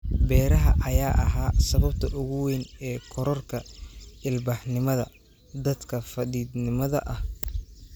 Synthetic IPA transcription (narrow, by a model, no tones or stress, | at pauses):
bɛːɾɐɦɐʔɐjaːʔɐɦaːsɐβɐbt̪ʰɐʔʊɣʊwɛjnɛːkʰɔɾɔrkʰɐɪlbɐħnɪmɐðɐ̰ | d̪ɐd̪kʰɐfɐðiːd̪nɪmɐðɐ̰ʔɐh